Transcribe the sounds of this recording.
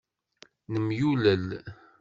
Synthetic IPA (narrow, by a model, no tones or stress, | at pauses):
nəmjuləl